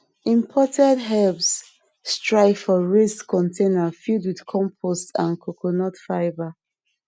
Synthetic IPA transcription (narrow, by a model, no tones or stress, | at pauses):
ĩmpʰɔtʰɛ̃dɦɛlbsː | tɹaɪfɔɹeskʰːɔ̃ntʰẽnafildwið̥kʰɔ̃mpʰɔstã̰nkʰokʰonɔtfaɪva